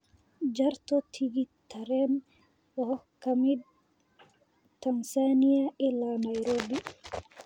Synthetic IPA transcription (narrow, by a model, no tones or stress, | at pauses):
d͡ʒɐɾt̪ɔt̪ʰiɡit̪ʰːɐɾɛːn | wɔkʰɐmɪd̪̚ | t̪ɐnsaniɐʔɪlaːnɐjɾoːbi